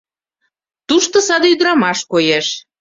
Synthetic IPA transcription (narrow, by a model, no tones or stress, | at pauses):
t̪uʃt̪ŏsɑd̪eyd̪ɾɑmɑʃkojeʃ